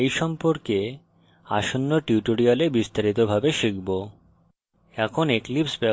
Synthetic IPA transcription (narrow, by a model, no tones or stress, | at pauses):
ejʃɔmpoɾke | a̰ʃonːoʈiuʈoɾialebist̪aɾit̪obʱabeʃikbo | ɛkʰoneklipsbɛ